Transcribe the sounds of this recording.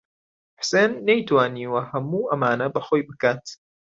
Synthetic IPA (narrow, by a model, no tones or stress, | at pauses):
ħseːnːɐjt̪waːniːwɐhɐmuːʔɐmaːnɐbɐxoːjbɨkaːt̪